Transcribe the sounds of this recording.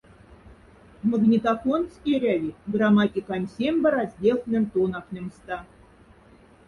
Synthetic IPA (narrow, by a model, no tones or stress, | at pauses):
mə̆ɡnʲit̪afonskʲiɾʲævʲiɡramɑtʲikɑnʲsʲemʲbɘ̆ɾɑzʲdʲelʲˠnʲɘ̆nʲt̪onɑknʲɤ̆mst̪ɑ